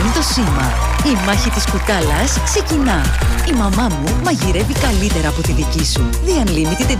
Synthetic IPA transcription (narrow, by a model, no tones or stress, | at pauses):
nit̪o̞simɐ | imɐçit̪iskut̪ɐlɐskse̞cinɐ | imɐmɐmumɐʝiɾe̞vikɐlit̪e̞ɾɐːpo̞t̪iðicisu | ðiɐnlimit̪it̪e